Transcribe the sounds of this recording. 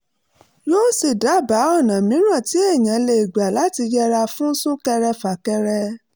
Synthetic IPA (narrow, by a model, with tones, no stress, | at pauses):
joː˦si˨da˨˦˨ba˨˦ɔ˦˨nã˨mĩ˨˦ɾ̃ã˦˨ti˨˦e˦˨j̃ã˨le˧i˨ɡ͡ba˨la˦ti˧jɛ˦ɾa˧fũ˦n̩˦sũ˦kɛ˧ɾɛ˧fa˨kɛ˧ɾɛ˧